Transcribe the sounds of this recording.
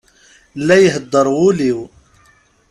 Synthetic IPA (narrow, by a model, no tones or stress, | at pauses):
lːæjəɦəd̪ˤːəɾˤʊliw